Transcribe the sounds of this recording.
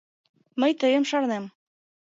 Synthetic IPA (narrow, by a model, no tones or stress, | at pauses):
məjt̪əjɤ̆mʃɑɾnɛm